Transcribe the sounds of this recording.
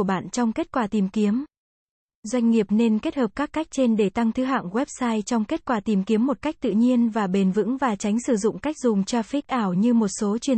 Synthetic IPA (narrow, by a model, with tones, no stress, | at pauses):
ɓa̰ː˧˨nt͡ɕɔ˧wŋ͡mke˦˥t̚kwaː˧˩t̪i˨˩mki˨˦əm | zwa˧jŋ̟ŋi˨˩əp̚ne˧nke˦˥t̚həː˨˩p̚kaː˦˥kːa˦˥jk̟̚t͡ɕe˧nɗe˧˩t̪a˧ŋt̪ʰɨ˨˦ɦa̰ː˧˨ŋɣwɛ˦˥p̚saː˧jt͡ɕɔ˧wŋ͡mke˦˥t̚kwaː˧˩t̪i˨˩mki˨˦əmːo˨˩t̚ka˦˥jk̚t̪ɨ̰˧˨ɲi˧ənvaː˨˩ɓe˨˩nvɨ̰˧˥ŋvaː˨˩t͡ɕa˨˦jŋ̟sɨ˧˩zʊ̰˧˨ŋ͡mka˦˥jk̟̚zʊ˨˩ŋ͡mt͡ɕa˧fi˦˥k̚ʔaː˧˩wɲɨ˧mo˨˩t̚so˨˦t͡ɕwi˧˩ə